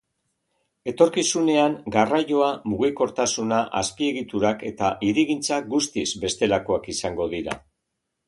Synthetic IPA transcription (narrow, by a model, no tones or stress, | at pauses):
e̞t̪o̞ɾkisune̞aŋɡaraʝo̞amuɣiko̞ɾt̪asunaʔaspie̞ɣit̪uɾake̞t̪aʔiɾiɣint͡saɡust̪izbe̞st̪e̞lako̞akisaŋɡo̞ðiɾa̰